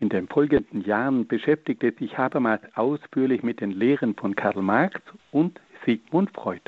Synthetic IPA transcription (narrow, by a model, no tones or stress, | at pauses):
ʔɪndeːnfɔlɡəndn̩jaːʁənb̥əʃɛftɪk̚tɛz̥ɪçʔaːbɐmaːlsʔaʊsfyːɐlɪçmɪt̚d̥eːnleːʁənfɔnkʰaɐlmaɐksʊntz̥iːɡmʊntfʁ̥ɔʏt